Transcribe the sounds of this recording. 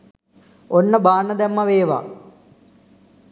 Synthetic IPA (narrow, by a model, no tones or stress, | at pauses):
onːɐbaːnːɐd̪emːɐʋeːʋa̰